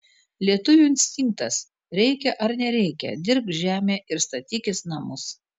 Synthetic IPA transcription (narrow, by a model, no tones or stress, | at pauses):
lʲiɛt̪ʊʋʲuɪnʲsʲt̪ʲɪŋk̚t̪ɐs | ɾʲɛɪkʲɛʔɐɾnʲɛɾʲɛɪkʲɛ̰d̪ʲɪɾp̚t̪ʒʲæːmʲeːʔɪɾst̪ɐt̪ʲiːkʲɪsnɐmʊs